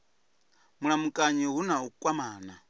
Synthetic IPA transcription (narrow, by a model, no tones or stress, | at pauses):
muɺamukʼaɲiɦunaukʼwamaːna